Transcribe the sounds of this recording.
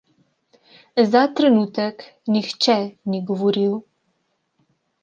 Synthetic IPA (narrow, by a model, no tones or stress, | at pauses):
zat̪ɾɛnut̪ək | nixt͡ʃɛniɡɔʋɔɾiw